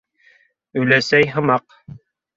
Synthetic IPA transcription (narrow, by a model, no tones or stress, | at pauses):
ɵ̆jlæsæjɦɤ̆mɑq